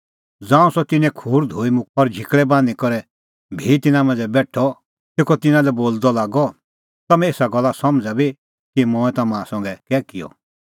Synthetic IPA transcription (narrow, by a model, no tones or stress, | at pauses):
d͡zãːũsɔt̪ɪnɛ̃kʰuːɾd̪ʱoːimʊ̃ɔɾd͡ʒʱɪkɭɛbãːnikɔɾɛ | bʱit̪ɪnãmɛ̃ːnd͡zɛbɛːʈʰɔ | t̪eːkʰɔt̪ɪnãlɛboːld̪ɔlaːɡɔ | t̪ɐmɛ̃eːsaɡɔlːasɐmd͡zabi | kimɔːɛ̃t̪ɐmãsɐ̃ŋɡɛkɛːkijɔ̰